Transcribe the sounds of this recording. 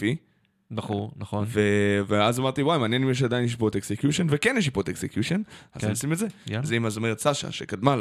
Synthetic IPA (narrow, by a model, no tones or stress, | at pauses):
i | bɐχunɐχoveveazamaʁt̪iwaimaːnjenimjeʃ̬ad̪ajinjeʃ̬ipot̪eksekjuʃonvekenjeʃ̬ipot̪eksekjuʃenaemosimetzezeimazome̞ʁet̪saʃa̰ʃekad̪mal